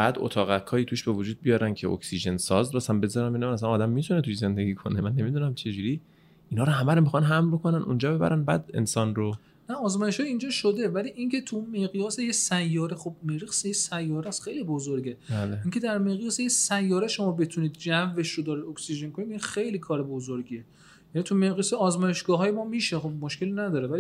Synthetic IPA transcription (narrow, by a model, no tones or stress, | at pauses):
b̥æd̪o̰t̪ʰɒːɣækʰːɒːiːt̪ʰuʃbevod͡ʒuːd̪̚bijɒːɾæncʰeo̰ksiʒe̞nsɒːzbɒæsæmbe̞zɒːɾænbenæmænæsænɒːd̪æmːit̪ʰunet̪ʰuʃze̞nd̪e̞ɡiːkʰonemænːe̞mid̪unæmt͡ʃʰe̞d͡ʒuɾi | inɒːɾoɦæmæɾomixχɒnɦæmlbokʰonænʔṵnd͡ʒɒːbe̞bæ̰ɾænbæ̰d̪e̞̰nsɒnɾo | næɒːzmɒːjeʃɒːjind͡ʒɒːʃod̪e̞væliʔinŋcʲʰe̞t̪ʰuunmeɣijɒːsejesæjːɒːɾexob̚meɾiɣsejesæjːɒːɾæst̪xejlibozoɾɡe̞baleiŋcʲʰed̪æɾmeɣijɒːsejesæjːɒːɾeʃo̞mɒːbe̞t̪ʰuniːd̪̚d͡ʒævːeʃɾod̪ɒːɾid̪oksiʒe̞nkʰo̞nid̪inxejlikʰɒːɾebozoɾɡiːe | jænit̪ʰumeɣjɔːseɒːzmɒːje̞ʃɡ̥ɒːɦɒːjemɒːmiːʃexo̞b̚moʃkʲe̞linæd̪ɒːɾevæli